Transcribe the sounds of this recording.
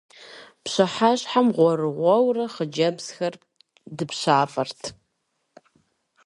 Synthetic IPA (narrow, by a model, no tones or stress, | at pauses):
pɕɐħaɕħamʁʷɔrɨʁʷɔwrɐχəd͡ʒɐbz̥xɐr | dɨpɕaːfʼɐrtʰ